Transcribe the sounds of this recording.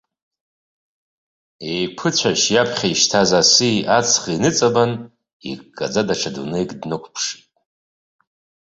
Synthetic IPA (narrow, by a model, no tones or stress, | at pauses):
ejpʰɨt͡ɕʷʰaʃjapʰχʲaiʃtʰazasiʔat͡sʰχiinɨt͡sʼaban | ḭk̚kʼːad͡zadaʈ͡ʂʰadunejkʼdnɨkʷʰpʰʂitʼ